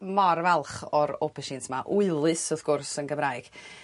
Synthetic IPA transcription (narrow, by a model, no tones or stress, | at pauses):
mɔrvɛlˠχɔɾopʰɛʃɪntʰmaʔuɨlˠɨsɔðɡ̥ʊrsənɡəmɾajɡ̥